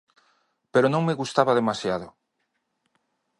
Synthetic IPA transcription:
peɾonõŋmeɣust̪aβaðemasjaðʊ

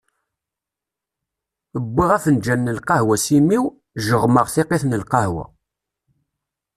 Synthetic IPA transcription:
əbːiʁæfənd͡ʒænːəlqɑhwæsimiw | ʒəʁməʁθɪqeθnəlqɑhwæ̰

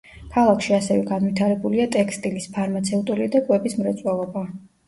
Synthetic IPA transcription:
kʰalˠakʰʃiasɛvɛɡanwit̪ʰaɾɛbuliat̪ʼɛkʰst̪ʼilispʰaɾmat̪sʰɛut̪ʼulid̪akʼwɛbismɾɛt̪sʼwɛlˠɔba

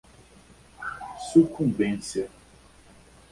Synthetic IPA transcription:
sukũmbẽnsja

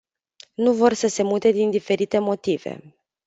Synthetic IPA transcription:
nuvo̞rsəse̞mut̪e̞d̪ind̪ife̞ɾit̪e̞mo̞t̪ive̞̰

